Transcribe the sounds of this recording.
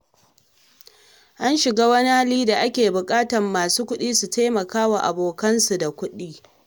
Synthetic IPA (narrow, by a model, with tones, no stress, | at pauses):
ʔa˦nʃɪ˨ɡaː˦wɐ˦ni˦ha˦liː˦da˨ʔa˦kʲeː˨bʊ˨kʼaː˦tɐ˨mːaː˨suː˦kʷʊ˦ɗiː˦su˨ta˦mɐ˨kaː˦wa˨ʔa̰˨boː˨kɐ˦nsu˨da˨kʷʊ˦ɗiː˦